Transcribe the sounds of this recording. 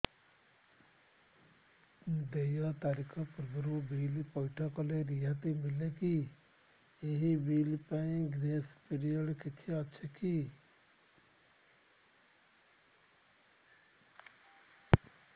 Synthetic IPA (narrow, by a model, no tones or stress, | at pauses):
d̪ejɔt̪aːɾikʰɔpɾbɾubiːlpɔjʈʰɔkɔleɾiɦat̪imɪleki | eɦibiːlpaĩɡɾeːspiɾijəɽkit̪ʰeɔtːʃʰeki